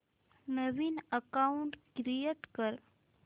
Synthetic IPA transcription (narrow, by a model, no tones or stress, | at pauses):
nəʋinəkauɳʈkɾijeʈkəɾ